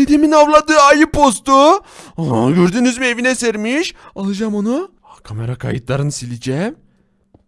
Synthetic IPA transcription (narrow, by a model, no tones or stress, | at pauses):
ed̪eminavlˠad̪ɯːajɯpʰo̞st̪u | ɟøɾd̪ynyzmievinɛseɾmiʃalˠɯd͡ʒamonu | akʰameɾakʰa̰jɯt̪lˠaɾɯnsilʲid͡ʒɛm